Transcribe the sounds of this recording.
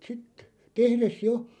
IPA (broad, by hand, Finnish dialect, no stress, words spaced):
sit tehres jo